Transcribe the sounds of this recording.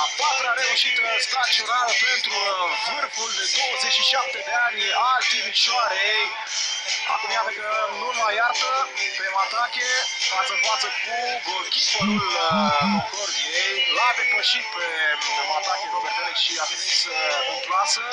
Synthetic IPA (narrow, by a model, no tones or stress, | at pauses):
apat̪ɾeaɾeuʃit̪əst̪ɾakt͡ʃ̪oɾaɾəpent̪ɾuvɨrkuld̪ed̪owozeʃiʃap̚t̪ed̪eanʲad̪imiʃaɾeej | a̰veniat̪əkəɨnulmajart̪əpemat̪akʲe | fat̪səfat̪səkukʲipəlul | lorbijejlad̪e̞pəʃit̪̚peemat̪akʲevomet̪eleʃiavenisəot̪asə